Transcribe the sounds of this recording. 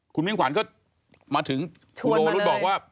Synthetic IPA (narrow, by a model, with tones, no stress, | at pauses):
kʰu˧nmi˥˩˨ŋkʰwaː˩˦nkɔː˥˩ | maː˧t̪ʰɯ˩˦ŋ | kʰu˧oː˧a˧ɾu˦˥t̚bɔː˨˩k̚waː˥˩